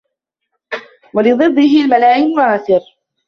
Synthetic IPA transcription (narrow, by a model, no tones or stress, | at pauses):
walɪðˤɨd̪ˤːɪɦɪlmalaːʔɪnwaʕaːθɪɾ